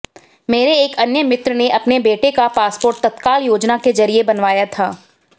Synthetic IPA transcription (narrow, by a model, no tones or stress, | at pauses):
meːɾeːkɐnjəmɪt̪ɾəneʔɐpnebeːʈekapaːspoːɾʈ̚t̪ɐt̪kaːljoːd͡ʒnakezɐɾiebɐnʋaːjat̪ʰaː